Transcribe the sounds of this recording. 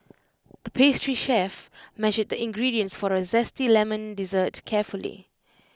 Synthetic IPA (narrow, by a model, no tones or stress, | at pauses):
d̪̥əpʰestɹiʃɛfmɛʒəd̚d̪əɪ̃ŋɡɹidiə̃nsfɔɹəzɛstilɛmə̃ndizətkʰɛfəlḭ